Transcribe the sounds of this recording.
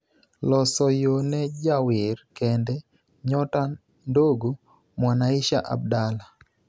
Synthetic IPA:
lɔsɔjonɛd͡ʒawɪrkɛndɛ | ɲɔta | ndoɡo | mwanaɪʃaʔa̰b̚dala

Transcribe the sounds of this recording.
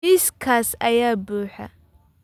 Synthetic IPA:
iskʰaːsɐjaːbuːħɐ̰

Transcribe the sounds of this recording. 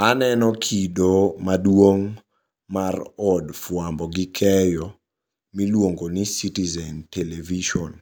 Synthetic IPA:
anɛnɔkʰidomadwoŋ | marɔdfwambɔɡikʰɛjɔ | milwoŋɡonisitizɛnteleviʃɔn

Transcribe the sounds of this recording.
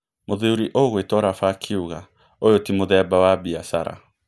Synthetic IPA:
moðeuɾiʔoɣwetɔɾafakʰiuɣa | ojotimoðɛbawabiasaɾa̰

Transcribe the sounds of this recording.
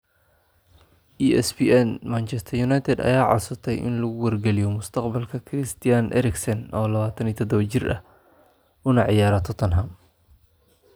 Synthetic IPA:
ʔiɛsbiɛnmant͡ʃʰɛst̪ʰɐrjʊnajt̪ʰɛd̪ɐ̰jaːʕɑ̰sʊt̪ʰɛjʔɪ̰nlɐɣʊwɐrɡɛlɪjɔmʊst̪ʰɐqbɐlkʰɐkʰrɪst̪ʰɪjanʔɛ̰ɾɪksɐnʔɔːlɐβaːt̪ʰɐniːt̪ʰɐd̪ɔβɐt͡ʃɪrɐ̰h | ʊnɐʕɪjaːɾɐt̪ʰɔt̪ʰɐnɦɐm

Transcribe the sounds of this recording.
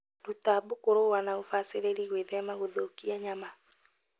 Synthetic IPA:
ɾutabokoɾowanaofaseɾeɾiɣweðɛmaɣoðokiaɲama

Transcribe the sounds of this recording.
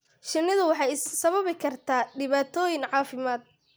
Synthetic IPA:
ʃɪnːɪðʊwɑħɑjssɐβɐβɪkʰɐrt̪ʰaːɖɪβaːt̪ʰɔːjɪŋʕɑːfɪmaːd̪̚

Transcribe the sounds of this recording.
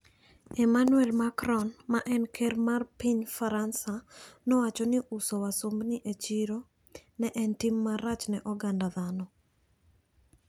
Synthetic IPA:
ɛmanuɛlmakɾɔnmaʔɛnkʰɛɾmarpiɲfaɾansanɔwat͡ʃɔnɪʔusɔwasombnɪʔet͡ʃiɾo | nɛʔɛntimːaɾat͡ʃnɛʔɔɡandaðanɔ

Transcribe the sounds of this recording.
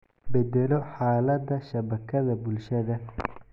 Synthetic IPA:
bɛd̪ɛlɔħaːlɐd̪ɐʃɐβɐkʰɐðɐbʊlʃɐðɐ

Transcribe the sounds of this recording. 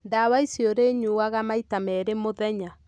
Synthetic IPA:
ndawaisjoɾeɲuwaɣamaitamɛɾemoðɛɲa

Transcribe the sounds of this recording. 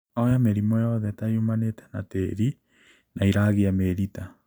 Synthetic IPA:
ɔjameɾimɔjɔðɛtajumanetɛ̥nateɾi | nʔaiɾaɣeameɾita

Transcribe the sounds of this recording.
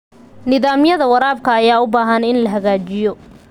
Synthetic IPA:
nɪðaːmjɐðɐwɐɾaːbkʰɐːjaːʊbaːɦɐnɪnlɐɦɐɣaːt͡ʃɪjɔ

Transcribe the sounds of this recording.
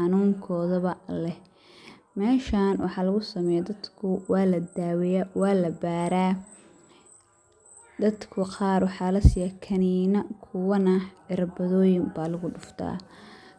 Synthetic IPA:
ħɑnuːŋkʰɔːðɐβɐlɛ | mɛːʃaːnwɑħɑːlɐɣʊsɐmɛːjɐd̪ɐd̪kʰʊwɑːlɐd̪aːwɛjawɑːlɐbaːɾaː | d̪ɐd̪kʰʊqɑːrwɑħɑːlɐsɪjɐkʰɐninɐkʰʊwɐnɐʕɪɾɐbɐðɔːjɪmbaːlɐɣʊɖʊft̪ʰa̰ː

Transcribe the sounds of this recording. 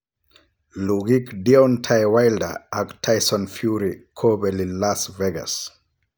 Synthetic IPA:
luɡikdiɔntʰajwajlda̰aktʰajsɔnfjuɾikʰobɛlinlasvɛɡa̰s

